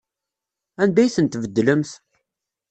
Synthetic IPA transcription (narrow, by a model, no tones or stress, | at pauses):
ænd̪æjθənt̪vəd̪ːləmθ